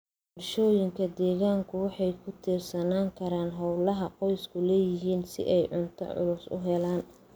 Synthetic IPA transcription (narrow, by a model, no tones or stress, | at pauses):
bɔrʃɔːjɪŋkʰɐd̪ɛːɣaːŋkʰʊwɑħɑjkʰʊt̪ʰiːrsɐnaːŋkʰɐɾaːnɦɔwlɐɦɐqɔjskʰʊlɛːjɪɦiːnsɪ̰ʔɛjʕʊnt̪ʰɐ̰ʕʊ̰lʊsʊ̰ɦɛlaːn